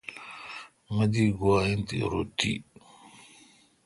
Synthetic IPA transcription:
mɐd̪iɡwaint̪ḭɾo̰t̪ḭ

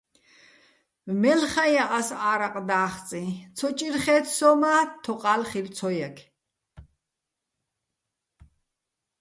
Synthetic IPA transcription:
vmɛlχajaʔasaːɾaqʼd̪aːχt͡sʼĩt͡sʰɔt͡ʃʼiɾχɛːt̪ʰsɔmat̪ʰːɔqʼalχilt͡sʰɔjakʰ

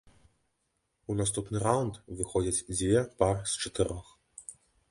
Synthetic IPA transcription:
unast̪upnɨɾawʊnt̪vɨxɔd͡zʲɐt͡sʲd͡zʲvʲɛparst͡ʂɐt̪ɨɾɔx

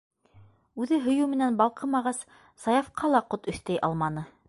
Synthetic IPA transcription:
ʉðɘɦɵ̆jʉwmɘ̆nænbɑlˠqɤmɑʁɑs | sɑjɑfqʰɑlˠɑqot̪ɵ̆θt̪æjʔɑ̰lˠmɑnɤ

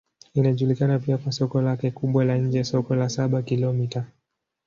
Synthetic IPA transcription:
inaʄulikanapiakwasɔkɔlakɛkuɓwalaɲ̩d͡ʒɛsɔkɔlasaɓakilɔmita

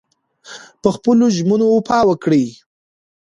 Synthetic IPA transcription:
pəxpəloʒmənoːpʰɑwəkɽi

